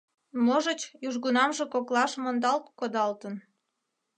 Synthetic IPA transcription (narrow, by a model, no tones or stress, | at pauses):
moʒət͡ɕjuʒɣunɑmʒekoklɑʃmond̪ɑlt̪kod̪ɑlt̪ən